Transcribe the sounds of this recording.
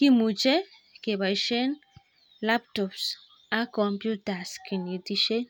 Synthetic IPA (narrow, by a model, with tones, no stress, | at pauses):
ki˦mu˨t͡ʃe˦ | ke˨βa˨iʃe˦n | la˦p̚t̪ops | a˦kompjut̪a˨ski˨ni˨t̪iʃe˦